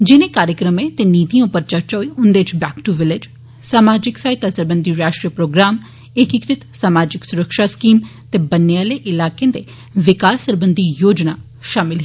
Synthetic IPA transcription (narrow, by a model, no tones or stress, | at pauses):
d͡ʒɪnẽːkaːɾjəkɾəmẽːt̪eːniːt̪ijãʊpəɾt͡ʃəɾt͡ʃɔːiʊnd̪eːɪt͡ʃbɛːkʈuʋɪlɪd͡ʒ | saːmaːd͡ʒɪksaːɪt̪asəɾbənd̪iːɾaːʃʈɾijəpɾoːɡɾaːm | ɪkɪkɾɪt̪saːmaːd͡ʒɪksʊɾəkʃaːskiːmt̪eːbənːeaːleːʔɪlaːkẽːd̪eː | ʋɪkaːsəɾbənd̪ʱijoːd͡ʒnaː | ʃaːmɪlɦi